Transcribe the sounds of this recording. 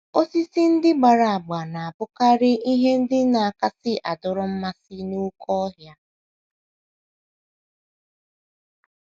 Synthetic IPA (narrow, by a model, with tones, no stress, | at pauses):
o˦si˦sɪ˦n̩˦dɪ˦ɡ͡ba˨ɾa˨a˨ɡ͡ba˨na˨a˨bʊ˦ka˦ɾɪ˦ʔi˦ɦe˦n̩˦dɪ˦na˨a˨ka˦sɪ˦ʔa˨dʊ˨ɾʊ˦m̩˦ma˦sɪ˦nu˦kʰɔ˦ɦja˦